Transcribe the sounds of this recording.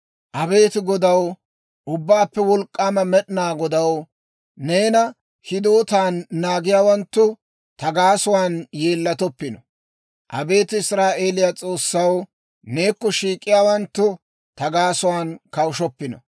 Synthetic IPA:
ʔɐbe̞ːt̪ɪɡɔd̪ɐw | ʔʊbːaːpːɛwɔlkʼːaːmɐmɛɗɪnaːɡɔd̪ɐw | ne̞ːnɐ | hɪd̪oːt̪aːnːaːɡɪjaːwɐnt̪ːʊ | t̪ɐɡaːsʊwaːnje̞ːlːɐt̪ɔpːɪnɔ | ʔɐ̰be̞ːt̪ɪɪsɾaːʔe̞ːlɪjat͡sʼo̞ːsːɐw | neːkːɔʃiːkʼːɪjaːwɐnt̪ːʊ | t̪ɐɡaːsʊwaːnkɐwʊʃɔpːɪnɔ̰

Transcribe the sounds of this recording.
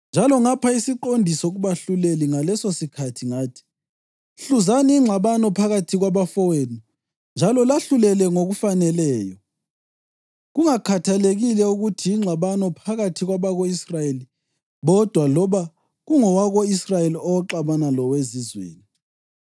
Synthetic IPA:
nd͡ʒʱalɔŋapʰaisiǃondʱisɔɣuβaɬuleliŋalɛsosikʰatʰiŋaːtʰi̥ | ɬuzaniːŋ͡ǁʱaβanɔpʰaɣatʰiɣwaβafɔwenu | nd͡ʒʱalɔlaɬulɛlɛŋoɣufanɛlɛːjɔ | ɣuŋakʰatʰaleɣilɛuɣutʰijiŋ͡ǁʱaβanɔpʰaɣatʰiɣwaβaɣoisrajeli | βɔd̥ʱwalɔβa | ɣuŋɔwaɣoisrajeliɔwɔǃaβanalɔwezizwḛːni

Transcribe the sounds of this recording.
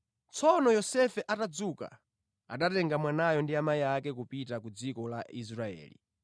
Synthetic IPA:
t͡sʰɔnɔjɔsɛfɛʔatad͡zuka̰ | a̰ɗatɛŋɡamwanajɔndiamaiakɛk̬upitakud͡zikɔlais̬ɾaɛ̰ːlḭ

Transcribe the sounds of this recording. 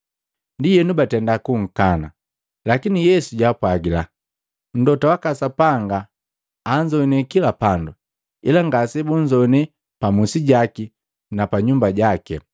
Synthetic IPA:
ndijɛnubatɛndakuŋ̩kana | lakinijɛsuɟapwaɡila | n̩dɔtawakasapaŋɡaː | ɲd͡ʒɔnɛkilapandu | ilaŋɡasɛbuɲd͡ʒɔnɛ | pamusiɟaki | napaɲumbaɟakɛ

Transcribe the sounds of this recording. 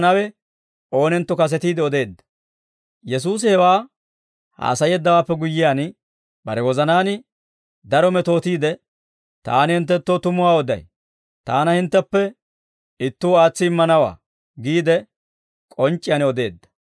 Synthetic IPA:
nɐwɛ | o̞ːnɛnt̪ːɔkɐs̬ɛt̪iːd̪ɛɔd̪e̞ːd̪ːɐ̥ | jɛs̬uːs̬ɪhɛwaː | ha̰ːsɐjɛːd̪ːɐwaːpːɛɡʊjːɪjaːn | bɐ̰ɾɛwɔzɐnaːnɪ | d̪ɐɾɔmɛt̪o̞ːt̪iːd̪ɛ | t̪a̰ːnɪhɪnt̪ːɛt̪ːot̪ʊmʊwaːɔd̪ɐ̰j | t̪aːnɐhɪnt̪ːɛpːɛ | ɪt̪ːuwaːt͡sːɪɪmːɐnɐwa̰ː | ɡiːd̪ɛ | kʼɔnt͡ʃʼːɪjaːnɔd̪e̞ːd̪ːɐ̥

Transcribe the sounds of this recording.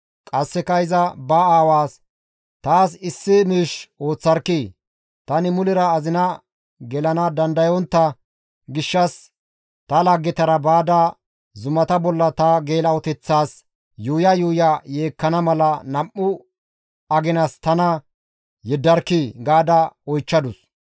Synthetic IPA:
kʼɐsːɛkɐɪzɐbɐaːwaːs | t̪aːsɪsːɪmiːʃʔo̞ːt͡sːɐɾkːiː | t̪ɐnɪmʊlɪɾɐːzɪnɐ | ɡɛlɐnɐd̪ɐnd̪ɐjɔnt̪ːɐ | ɡɪʃːɐs | t̪ɐlaɡːɛt̪ɐɾɐbaːd̪a | zʊmɐt̪ɐbɔlːɐt̪ɐɡe̞ːlɐwɔt̪ɛt͡sːaːs | juːjɐjuːjɐjeːkːɐnɐmɐlɐnɐmːʊ | ɐɡɪnɐst̪ɐnɐ | jɛd̪ːɐɾkːiːɡaːd̪ɐɔjt͡ʃːɐd̪ʊs

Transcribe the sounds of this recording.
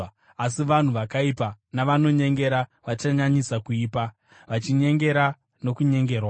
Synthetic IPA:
as̬iʋan̤uʋakaipanaʋano̞ɲe̞ŋɡe̞ɾaʋat͡ʃaɲaɲisakuiːpa | ʋat͡ʃiɲe̞ŋɡe̞ɾa | no̞kuɲe̞ŋɡe̞ːrwa

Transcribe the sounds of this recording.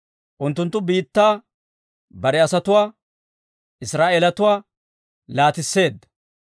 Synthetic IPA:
ʔʊnt̪ːʊnt̪ːʊbiːt̪ːaː | bɐɾɛɐsɐt̪ʊwaː | ɪsɾaːʔeːlɐt̪ʊwaː | laːt̪ɪsːe̞ːd̪ːɐ̥

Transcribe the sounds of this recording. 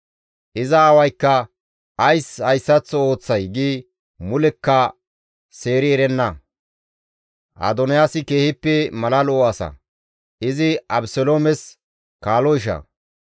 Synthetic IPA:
ʔɪzɐːwɐjkːɐ | ʔɐjshɐjsːɐt͡sːɔo̞ːt͡sːɐjɡiː | mʊlɛkːɐ | se̞ːɾɪɛɾɛnːɐ | ʔɐ̰d̪ɔnɪjaːsɪke̞ːhɪpːɛmɐlɐlɔːɐsɐ̰ | ʔɪzɪɐbsɔloːmɛs | kaːlɔɪʃ̬ɐ̰

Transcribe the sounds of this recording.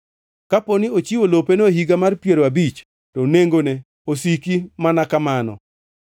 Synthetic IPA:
kaponiot͡ʃiwolopenoɦiɡamarpjeɾoabit͡ʃ | tɔneŋɡonɛ | osikimanakamanɔ̰

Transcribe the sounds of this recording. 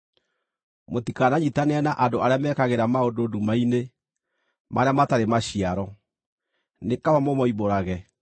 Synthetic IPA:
motikanaɲitaneanaʔadoʔaɾeamɛkaɣeɾamaodoːdumaine | maɾeamataɾemaɕiaɾɔ | nekawamɔmɔiβoɾaɣɛ

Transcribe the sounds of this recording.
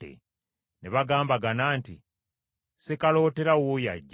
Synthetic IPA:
ḛ | neβaɡaːmbaɡanaːntḭ | sekalo̞ːte̞ɾawoja̰ɟː

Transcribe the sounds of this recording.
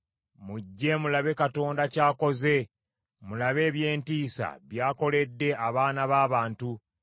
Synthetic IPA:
muɟːe̞mulaβe̞kato̞ːndacaːko̞ze̞ | mulaβe̞ːβje̞ːntiːsa̰βjaːko̞le̞dːe̞ʔaβaːnaβaːβaːntu

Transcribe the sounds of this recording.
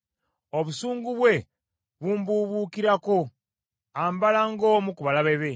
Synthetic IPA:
o̞βusuːŋɡuβwe̞ | βumbuβuːkiɾako̞ | aːmbalaŋɡomukuβalaβeβe̞

